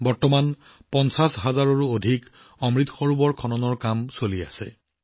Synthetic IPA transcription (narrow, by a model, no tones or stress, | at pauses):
bɔɹtɔman | pɔnsasɦazaɹɔɹuodʱik | ɔmɹit̪ɔxɔɹubɔɹkʰɔnɔnɔɹkamsolia̰sɛ̰